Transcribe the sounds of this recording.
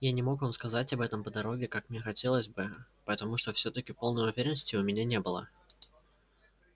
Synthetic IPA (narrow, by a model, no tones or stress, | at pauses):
janʲɪmo̞kvamskɐzatʲɐbɛt̪əmpəd̪ɐɾo̞ɡʲɪkakmnʲe̞xɐtʲe̞lˠəzʲbɨpəɛt̪ɐmuʂt̪o̞fsʲɵt̪əkʲɪpo̞lˠnəjʊvʲeɾʲɪnːəsʲtʲɪʊmʲɪnʲanʲebɨlˠə̰